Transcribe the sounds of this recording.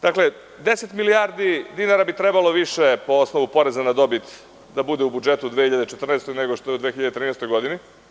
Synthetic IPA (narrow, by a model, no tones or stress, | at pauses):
d̪akle̞ | d̪e̞set̪miliaːɾd̪id̪inaɾabit̪ɾebalo̞ʋiʃepo̞osno̞ʋupo̞ɾezanad̪o̞bit̪ | d̪abud̪eubud͡ʒe̞t̪ud̪ʋexiʎad̪et͡ʃet̪r̩nest̪ojneɡo̞ʃt̪oeud̪ʋeːxiʎad̪et̪ɾiːneɛst̪ojɡo̞d̪ini